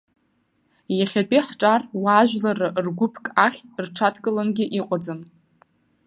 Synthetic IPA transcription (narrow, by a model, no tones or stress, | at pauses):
jaχʲapʼiħʈ͡ʂʼarwaːʒᶣlarɨʔrɡʷʊpʰkʼaχʲrʈ͡ʂʰatʰkʼɨlanɡʲiʔiqʷʼad͡zɨn